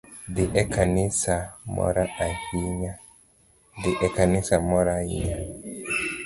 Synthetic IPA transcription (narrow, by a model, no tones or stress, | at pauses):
diʔɛkanisamɔ̰ɾaahiɲa | diʔɛkanisamɔɾaḭɲa